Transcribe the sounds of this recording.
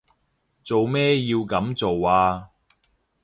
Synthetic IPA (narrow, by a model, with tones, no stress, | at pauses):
t͡so˨wmɛː˥jiː˧wkɐ˨˥mt͡so˨waː˧